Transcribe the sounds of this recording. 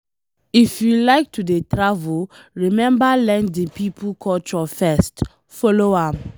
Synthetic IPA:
ifjulaɪk̚tʰudetɹavulɹimɛ̃mbalɛ̃ndĩpipʰukʰɔt͡ʃɔfɛst | fɔloam

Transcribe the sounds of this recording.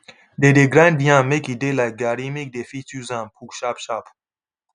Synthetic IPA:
dedeɡɾãndijãmekidelajk̚ɡaɾimek̚defit͡suzãmpʰukʃapʃaːpʰu̥

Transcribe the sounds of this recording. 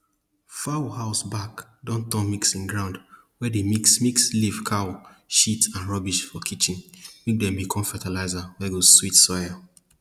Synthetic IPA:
fawhaʊsbakdɔ̃ntɔ̃miksĩnɡɹãʊ̃nd | wɛdemiksmiksliv̥kʰaʊʃitãnɹɔbiʃfɔkʰit͡ʃĩnmek̚dɛ̃mbikʰɔ̃mfɛtalaɪzawɛɡozswitsɔja

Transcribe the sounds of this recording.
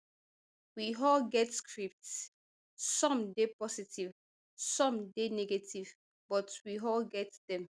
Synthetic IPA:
wiɦɔlɡɛtskʰɹip̚ts | sɔ̃mdepɔsitʰiv | sɔ̃mdenɛɡetʰiv | b̥ɔtwiɦɔlɡɛtdɛ̃m

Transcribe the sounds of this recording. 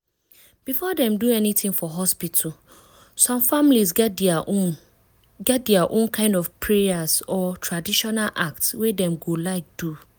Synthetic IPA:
b̥ifɔdɛ̃mduɛnitĩŋfɔɦɔspitʰul | sɔ̃mfamlizɡɛd | ɡɛt̚dɛaʔõnkʰãɪ̃ndɔv̥pʰɹɛazɔtʰɹadiʃɔnalʔa̰k̚tswedɛ̃mɡolaɪk̚d̥u

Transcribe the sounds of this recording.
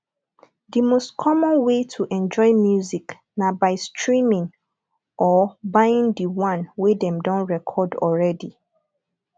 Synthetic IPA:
dimostkʰɔmɔ̃nwetʰuʔɛ̃nd͡ʒɔɪmjuzik | nabaɪstɹĩmĩŋ | ʔɔbaɪĩŋdiwãnwedɛ̃mdɔ̃nɹɛkʰɔdɔ̰ɹɛdi

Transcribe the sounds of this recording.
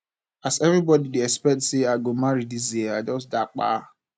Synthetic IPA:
asɛvɾibɔdidiɛkspɛk̚tseaɡomaɾidiziead͡ʒɔsdak͡pa̰

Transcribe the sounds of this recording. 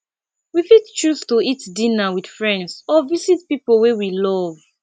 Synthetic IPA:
wifidt͡ʃustuitdinawid̥fɹɛ̃ndsɔvizitpipolwewilɔv

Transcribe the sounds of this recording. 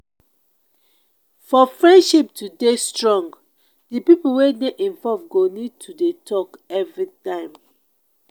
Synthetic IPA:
fɔfɹɛ̃ndʃip̚tʰudestɹɔ̃ŋɡ | dipipuwedeʔĩnvɔvɡonid̚tʰudetʰɔkɛvɹitãɪ̃m

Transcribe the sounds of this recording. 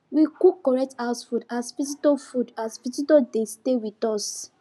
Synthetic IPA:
wikukːɔɹɛk̚taʊsfudaspis̬itɔfudaspititɔdestewitɔs

